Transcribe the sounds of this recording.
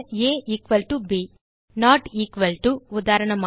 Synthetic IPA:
eːʔiːkʋɐlʈubiː | naːʈiːkʋɐlʈuud̪aːɾɐɳɐm

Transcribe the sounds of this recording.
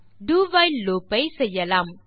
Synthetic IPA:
ɖuːʋɐjllːoːpːɐɪsɛjːɐlaːm

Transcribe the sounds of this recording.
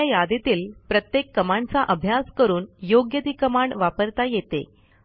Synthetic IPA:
ajad̪et̪iːlpɾət̪jekːəmaɳt͡saʔəbʱjaskəɾuːnjoɡjəd̪ikəmaɳʋapəɾt̪ajet̪ḛ

